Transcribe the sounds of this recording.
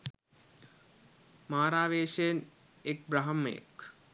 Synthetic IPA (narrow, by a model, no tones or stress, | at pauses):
maːɾaːʋeːʂejən | ek̚bɾaɦɐmːɐ̰jə̰k